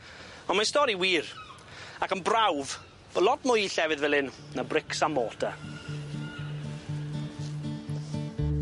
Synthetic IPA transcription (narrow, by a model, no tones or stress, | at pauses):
ɔnmastɔɾiwiːr | akənbrawv | b̥əlˠɔtmʊjɬɛvɨðvɛlˠɪn | nabrɪksamːɔːdʰa